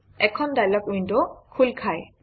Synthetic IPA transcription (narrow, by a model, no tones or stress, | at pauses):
ɛkʰɔnd̪ajlɔkujndokʰulkʰaj